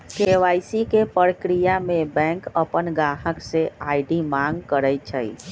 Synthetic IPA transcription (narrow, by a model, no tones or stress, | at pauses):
keʋajsikepəɾəkɾijamebɛ̃ŋkəpənɡaɦəkseajɖimãŋɡkəɾɛt͡ʃʰə̰j